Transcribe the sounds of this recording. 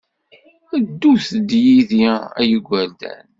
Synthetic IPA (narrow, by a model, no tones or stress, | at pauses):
əd̪ːuθd̪jiðiæjəɡʷæld̪æ̰n